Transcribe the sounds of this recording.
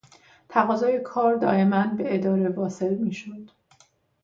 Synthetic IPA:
t̪ʰæɣɒːzɒːje̞kʰɒːɾd̪ɒːe̞mænbe̞ed̪ɒːɾe̞vɒːse̞lmiːʃod̪̥

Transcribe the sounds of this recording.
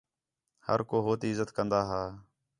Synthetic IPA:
hə̰ɾkoːɦoːt̪iːɪzət̪kənd̪aːɦaː

